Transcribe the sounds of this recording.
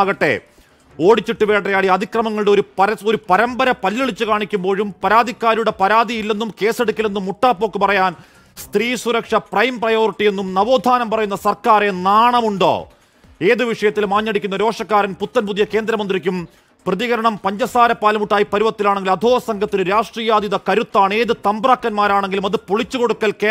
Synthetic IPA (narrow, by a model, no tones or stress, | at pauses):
ɣɐʈːe̞̰ | o̞ːɽit͡ɕːiʈːɨʋe̞ːʈːrɐjaːɽiɐd̪ʱikrɐmɐŋːɐɭuɽeoɾupɐɾɐoɾupɐɾɐmbɐɾɐpɐlːiɭit͡ɕːɨkaːɳikʲːumbo̞ːɻumpɐɾaːd̪ikːaːɾiuɽe̞pɐɾaːd̪ijilːe̞nːumke̞ːse̞ɽukʲːile̞nːumːuʈːaːpːo̞ːkːɨpɐrɐjaːn | st̪riːsuɾɐkʂɐprɐjmprɐjo̞ːriʈːije̞nːumnɐʋo̞ːd̪ʱaːnɐmpɐrɐjunːɐsɐrkaːɾe̞naːɳɐmuɳɖo̞̰ː | e̞ːðɨʋiʂɐjɐt̪ːilmaːɲːɐɽikʲːunːɐɾo̞ːʂɐkːaːɾɐnput̪ːɐnpuðijɐke̞ːnd̪ɾɐmɐnd̪ɾikʲːum | prɐðiɣɐɾɐɳɐmpɐɲd͡ʑɐsaːɾɐpːaːlɐmuʈːaːjipɐɾuʋɐt̪ːilaːɳeŋɡilɐd̪ʱoːɐsɐŋɡʰʱɐt̪ːinɨɾaːʂʈriːjaːd̪jiðɐkɐɾut̪ːaːɳe̞ːðɨt̪ɐmbraːkːɐnmaːɾaːɳe̞ŋɡilumɐðɨpoɭit͡ɕːuko̞ɽukːɐlke